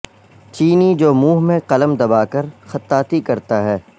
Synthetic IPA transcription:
t͡ʃiːnid͡ʒoːmuːɦmẽqɐləmd̪ɐbaːkɐɾxɐt̪ːaːt̪ikɐɾt̪aɦɛː

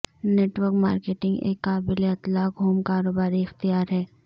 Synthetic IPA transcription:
neːʈʋəɾkmaːɾkeːʈɪ̃ŋɡḛːkːaːbɪleɐt̪laːkɦoːmkaːɾoːbaːɾiɪxt̪ijaːɾɦɛː

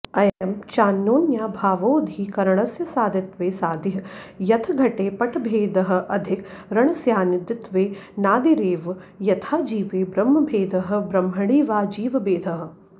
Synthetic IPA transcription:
ɐjɐmt͡ʃaːnːoːnjaːbʱaːʋoːd̪ʱiːkɐɾɐɳ̃ɐsjɐsaːd̪ʱɪt̪ʋeːsaːd̪iɦɐjɐt̪ʰɐɡʱɐʈeːpɐʈʰbʱeːd̪ɐɦɐ̆ʔɐd̪ʱɪkɾɐɳɐsjaːnɪd̪ɪt̪ʋeːnaːd̪iɾeːʋ | jɐt̪ʰaːd͡ʒiːʋeːbɾɐmːɐbʱeːd̪ʱɐɦɐ̆bɾɐmɦɐɽiːʋaːd͡ʒiːʋɐbeːd̪ʱɐɦɐ̆

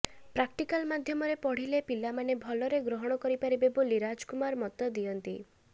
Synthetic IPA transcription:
pɾakʈikalmad̪ʱjɔmɔɾepɔɽ̤ilepilamanebʱɔlɔɾeɡɾɔɦɔɽ̃ɔkɔɾipaɾibeboliɾad͡ʒkumaɾmɔt̪ɔd̪ijɔnt̪i

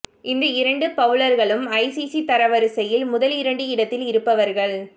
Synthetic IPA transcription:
ʔɪnd̪ɐɪɾɐɳɖɯpɐʋɯlɐɾɣɐɭɯmɐɪsisit̪ɐɾɐʋɐɾɯsɐjɪlmʊðɐlɪɾɐɳɖɯɪɽɐt̪ːɪlɪɾɯpːɐʋɐɾɣɐɭ

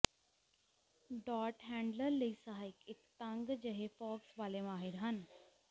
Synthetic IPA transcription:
ɖɔːɾʈɦɛ̃ːɳɖləɾlisaɦaɪkɪkt̪ãŋɡd͡ʑəɦefɔːksʋaːlemaːɦiɾɦən

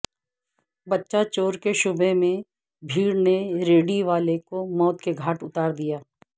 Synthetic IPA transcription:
bɐtːʃat͡ʃoːɾkeʃʊbemẽ | bʱiːɽneɾeːɖiʋaːlekomɔːt̪keɡʱaːʈʊt̪aːɾd̪ijaː

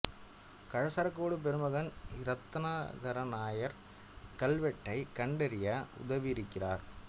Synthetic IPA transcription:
kɐɻɐsɐɾɐkːoːɽɯp̬ɛɾɯmɐɣɐnɪɾɐt̪ːɐnaːɣɐɾɐnaːjɐɾ | kɐlʋɛʈːɐɪkɐɳɖɐɾɪjɐʔʊ̰ðɐʋiɪɾɯkːɪraːɾ

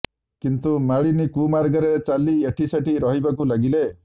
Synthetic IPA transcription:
kint̪umaɭinikumaɾɡɔɾet͡ʃalieʈʰiseʈiɾɔɦibakulaɡile

